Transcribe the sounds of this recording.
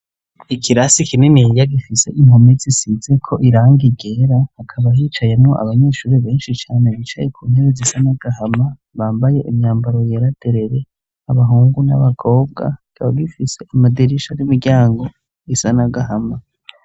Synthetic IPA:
ikʰiɾasikʰinimiijaɡifise̞̰ʔiŋ̥homezisize̞kʰo̞ʔiɾaːŋɡiɡe̞ɾahːkʰaβaɦiːt͡ʃajemŋo̞ʔa̰βaɲe̞ːʃuːɾeβe̞ːnʃit͡ʃaːne̞βit͡ʃa̰jekʰuːn̥heɾezisanaɡaɦama | βaːmbaje̞ʔimɲaːmbaɾo̞jeɾad̥e̞ɾe̞ɾe̞ | aβaɦuːŋɡuna̰βaɡʰo̞ːb̚ɡa̰ɡaaɡifise̞ʔamadiɾiʃajimiɾɟaːŋɡo̞ | isanaɡaɦama

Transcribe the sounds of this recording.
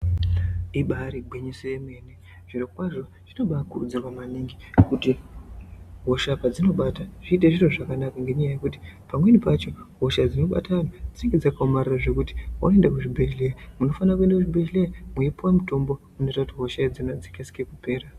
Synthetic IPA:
iɓaɾiɡʱweɲisojeme̞ne | ʐ̥irokwaʐo̞ | ʐ̥ino̞ɓakurud͡zirwamaniŋɡi | kuti | ɦo̞ʃapad͡zino̞ɓataʐ̥iːteʐiroʐakanakaŋɡeɲajaje̞kuti̥pamwe̞nipat͡ʃo̞ɦo̞ʃad͡zino̞ɓa̰tanod͡ziŋɡed͡zakaomariraʐe̞kuti̥o̰noendakuʐibʱelejamuno̞fanakue̞ndakuʐibʱelejamuepuwamuto̞mbo̞ | uno̞itakutiɦo̞ʃaid͡zinod͡zikeskekupe̞ːra

